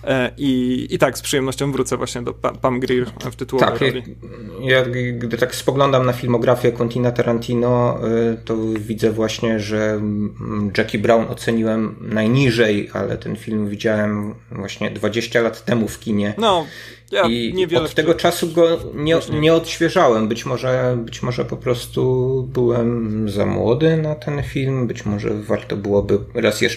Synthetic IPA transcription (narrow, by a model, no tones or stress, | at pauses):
ʔiːt̪akspʂɨjɛmnɔɕt͡ɕɔ̃w̃vɾut̪sɛvwaɕɲɛd̪ɔpapanɡɾiɾft̪ɘt̪uwɔt̪a̰kʲi | jakɡd̪ɘt̪akspɔɡlɔnd̪amnafʲilmɔɡɾafʲjɛkɔnt̪ʲinat̪aɾant̪ʰʲinɔt̪ɔvʲid̪zɛvwaɕɲɛʐɛ | d͡ʐɛkʲibɾawnɔt̪sɛɲiwɛmnajɲiʐɛja̰lɛ̰t̪ɛnfʲilmvʲid͡ʑawɛmvwaɕɲɛd̪vad͡ʑeɕt͡ɕalat̪ːɛmufkʲiɲɛn | jivɔt̪ːɛɡɔt͡ʂasuɡɔɲɛɲɛɔt̪ɕfʲjɛʐawɛmbɘt͡ɕmɔʐɛbɘt͡ɕmɔʐɛpɔpɾɔst̪ubɘwɛmza̰mwɔd̪ɘnat̪ʰɛnfʲilmbɘt͡ɕmɔʐɛ̰vaɾt̪ɔbɘwɔbɘɾasjɛ̰ʂ